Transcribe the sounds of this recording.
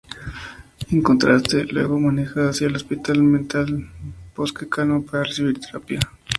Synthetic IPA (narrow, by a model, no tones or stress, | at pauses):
eŋkont̪ɾast̪elwḛɣomanexaasjaelospit̪almẽnt̪alb̥oskekanopaɾaresiβiɾt̪eɾapja